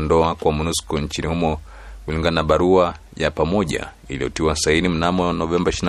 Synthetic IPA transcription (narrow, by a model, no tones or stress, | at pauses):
ndɔakwamunuskɔɲt͡ʃinihumɔ | kuliŋɡananaɓaɾua | japamɔʄa̰ | ḭlḭɔ̰tiwasainim̩namɔnɔvɛmbaiʃiin